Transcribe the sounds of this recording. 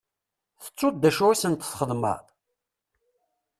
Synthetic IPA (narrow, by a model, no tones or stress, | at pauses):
θə̥t͡sˤːʊd̪̚d̪æʃuwisənt̪ə̥θχəðmə̰ðˤ